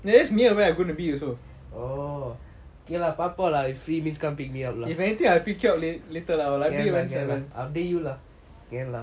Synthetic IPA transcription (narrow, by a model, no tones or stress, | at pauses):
nadɛsniəweaɡõnubijuso | o | okelahpapalawifɹimĩnskãmpik̚miap̚laifɛnit̪ĩŋapikɔp̚lilit̪əlawlaɛ̃iəwɛ̃nsɛvə̃nafdejulah | kɛ̃nla